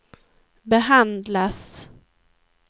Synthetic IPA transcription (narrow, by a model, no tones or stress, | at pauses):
bɛɦand̪las